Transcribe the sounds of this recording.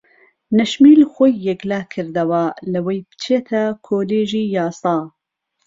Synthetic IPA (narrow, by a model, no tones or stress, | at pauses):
nɐʃmiːlxʷojːɛɡlaːkʰɨɾd̪ɐwalɨwejbɨ̥t͡ʃʰeːt̪ʰɐkʰoːleːʒiːjɑːsɑː